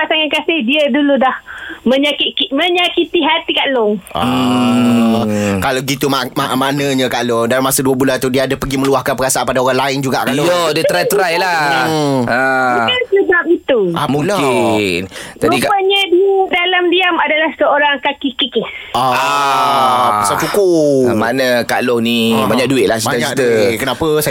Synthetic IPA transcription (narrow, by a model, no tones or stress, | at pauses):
pasaŋakasɪhdiəduludahmə̃ɲakikimə̃ɲakit̪iɦat̪ikaʔlʊŋʔɔ̰ | kalaɡit̪umamaʔmanəɲə̃kaʔloŋdalmasaduəbulant̪udiəadapəɡiməluahkanpəɡasaʔpadaoɾaŋlaɪnd͡ʒuɡa̰ʔkaʔlojədiəɾat̪ɾajəla | əasəbap̚it̪uamulai | d͡ʒadipaɲadidalamdiamadalahsəoɾaŋkakikikɪɔ | pasawt͡ʃukumanəkalɔŋnibaɲak̚duɪt̪̚lahsibad̪aɲaikd̪əkənapəsa